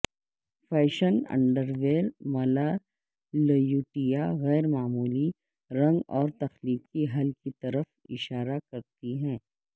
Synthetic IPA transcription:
fɛːʃənɐ̰̃ɳɖəɾʋeːɾmɐla | lɐjuːʈijaɣɛːɾmaːmuːli | ɾɐ̃ŋɡɔːɾt̪ɐxliːkkiɦɐlkit̪ɐɾəf | ɪʃaːɾakɐɾt̪iɦɛ̃ː

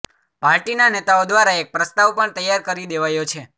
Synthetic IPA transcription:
paɾʈinanet̪aod̪ʋaɾaek̚pɾəst̪aʋpəɳt̪əjːaɾkəɾid̪eʋajot͡ʃʰe

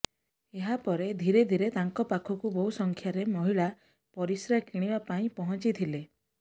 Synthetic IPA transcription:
eɦapɔɾed̪ʱiɾed̪ʱiɾet̪aŋkɔpakʰɔkubɔɦusɔŋkʰjaɾemɔɦiɭa | pɔɾisɾakiɽ̃ibapaĩpɔɦɔnt͡ʃit̪ʰile

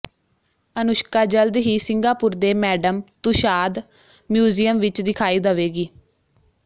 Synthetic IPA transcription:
ənʊʃkaːd͡ʒəld̪ɦiːsɪŋɡaːpʊɾd̪eːmɛːɖəmt̪ʊʃaːd̪ | mjuːziːəmʋɪt͡ʃd̪ɪkʰaːiːd̪əʋeːɡiː

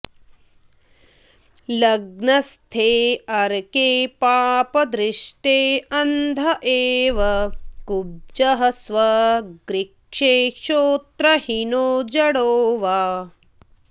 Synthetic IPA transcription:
lɐɡnɐst̪ʰeːɐɾkeːpaːpɐd̪ɾɪʂʈeːɐnd̪ʱɐʔeːʋɐkub̚d͡ʒɐɦɐsʋɐɡɾikʂeːʃoːt̪ɾɐhinoːd͡ʒɐɽoːʋaː

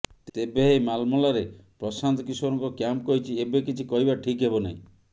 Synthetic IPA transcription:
t̪ebeɦejmalmɔlaɾepɾɔsant̪ɔkiswɔɾɔŋkɔkjampkɔɦit͡ʃʰiebekit͡ʃʰikɔɦibaʈʰikɦebɔna̰ɦḭ̃

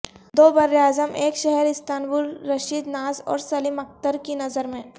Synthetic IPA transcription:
d̪oːbɐɾjjaːzəmeːkʃɛɦɛɾɪst̪aːnbʊɾːɐʃiːd̪naːzɔ̰ːɾsɐlɪmɐk̚t̪əɾkinɐzəɾmẽ

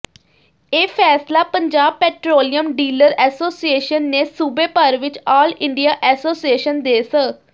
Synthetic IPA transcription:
eːpʰɛːslaːpəɲd͡ʒaːb̚pɛːʈɾoːlijəmɖiːləɾɛːsoːsieːʃənːeːsuːbeːpəɾʋɪt͡ʃɔːlɪ̃ɳɖijaːʔɛːsoːsieːʃənd̪eːsə

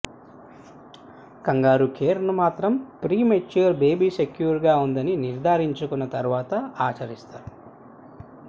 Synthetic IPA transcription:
kɐŋɡaːɾukʰeːɾnumaːt̪ɾɐmpɾiːmet͡ʃuɐɾbe̞ːbiːsekjuːɾɡaːund̪ɐniniɾd̪ʱaːɾiɲt͡ʃukunːɐt̪ɐɾʋaːt̪ɐaːt͡ʃɐɾist̪aːɾu

